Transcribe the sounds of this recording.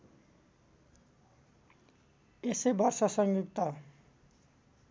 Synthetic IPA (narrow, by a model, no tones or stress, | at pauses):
esebʌrsʌsʌŋjuk̚t̪ʌ